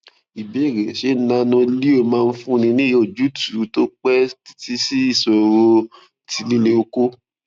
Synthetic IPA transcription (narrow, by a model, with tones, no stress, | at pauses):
i˨bi˨˦˨ɾɛ˨ʃe˨˦˨nã˧˦nɔ̃˧li˦o˦˨mãː˦˧n̩˦fũ˦˧nĩ˧nĩ˦jo˦˨d͡ʒu˨˦tu˨˦to˦k͡pɛ˦ti̥˦ti˦si˦i˦˨sɔ˧ɾo˧ | ti˧˦lĩ˦le˧o˧ko˦